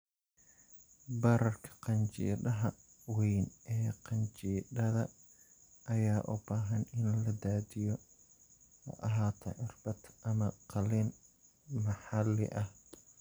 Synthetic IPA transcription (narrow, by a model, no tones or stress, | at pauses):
bɐɾɐrkʰɐ̥qɑnt͡ʃḭːɗɐɦɐ | wɛjnʔɛːqɑnt͡ʃiːɖɐðɐ | ʔɐjaːʔʊ̰baːɦɐnɪnlɐd̪aːd̪ɪjɔ | ɐ̰ʔɐɦaːt̪ʰɐʕɪrbɐt̪ɐmɐqɑlɪn | mɐħɑlːɪ̰ʔɐh